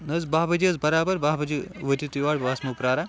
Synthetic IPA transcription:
nɐzbaːbɐd͡ʒiɐzbɐɾaːbɐɾbaɦbɐd͡ʒiʋɐtit̪iʋaːɽbaːsmɐpɾaːɾa

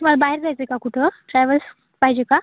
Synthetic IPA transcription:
malabaɦeɾd͡zajt͡səkakuʈʰəʈɾajʋəls | paɦid͡ʑeka

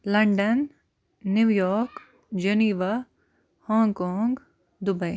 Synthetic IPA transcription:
lɐɳɖənː | juːjɔːɾk | d͡ʒɐniːʋa | hɔ̃ːŋɡkoːŋɡ | d̪ʊbɐj

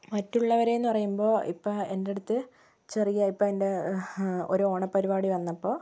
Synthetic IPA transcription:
mɐtːuɭːɐʋɐɾe̞junːɨpɐrɐjumbo̞ːḭpːoːende̞ɽut̪ːɨ | t͡ɕerijɐipːoende̞ | oɾuoːɳɐpːɐɾibaːɽiʋɐnːɐpːo̞ː

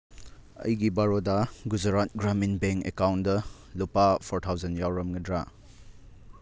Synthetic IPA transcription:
ɐ̰jɡibaɾodɐɡud͡ʒɐɾat̚ɡɾaminbeŋkḛkawndɐ | lupapʰoɾtʰawzɐnjawɾɐmɡɐdɾa

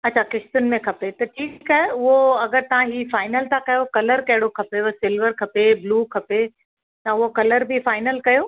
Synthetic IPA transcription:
ɐtːɕʰakɪʃt̪ʊnɪ̆mẽkʰɐpet̪ɐʈʰiːkkaɦeʊɦoɐɡəɾt̪ɐʋ̤ãɦiːfaːɪnəlt̪ʰãkɐjokɐləɾkɐɦɪɽokʰɐpesɪlʋəɾkʰɐpebluːkʰɐpe | t̪ɐʊɦokɐləɾbʱifaːɪnəlkɐjoː

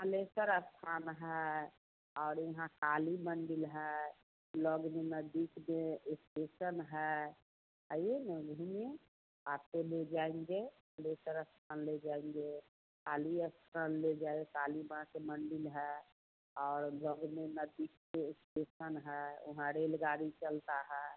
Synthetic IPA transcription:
əlesəɾəst̪ʰaːnɦɛ | ɔːɾjɐɦãkaːliməɳɖɪlɦɛ | lɔɡmenəd̪ːikmẽɪsʈesənɦɛ | ɦəjenəɡʱume | aːt̪eled͡ʒaːẽŋɡe | ɖoːsəɾəst̪ʰənled͡ʒaːẽŋɡe | kaːliəstʰɾənled͡ʒaːeekaːlibãkeməɳɖɪlɦɛ | ɔːɾlɔːɡmenəd̪ːiːkseɪsʈeːʃənɦɛʊ̰ɦãɾeːlɡaːɾit͡ʃəlt̪aɦɛː

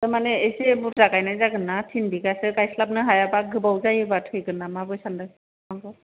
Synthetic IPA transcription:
tamanɛejsebuɾtakajnajzaɡɯnːatʰindikasɯkajslap̚nɯɦajabaɡɯbawzajɯbatʰɯjɡɯnamabɯjsandɯ | aŋkɯ

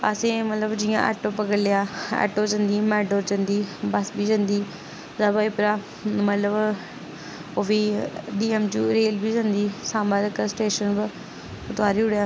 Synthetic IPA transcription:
asẽːmət̪ləbd͡ʒijã̰ːʔɛ̰ːʈoːpəkəɾlɪjaːɛ̰ːʈoːd͡ʒə̃nd̪iːmɛːɖoːɾd͡ʒə̃nd̪iːbəsbiːd͡ʒə̃nd̪iː | zaːbaːipɪɾaː | mət̪ləb | oʋiːɖiːɛmd͡ʒuːɾeːlbʱiːd͡ʒə̃nd̪iːsãːmaːd͡ʒɪksʈeːʃənb | ʊt̪aːɾiːʊɽjaː

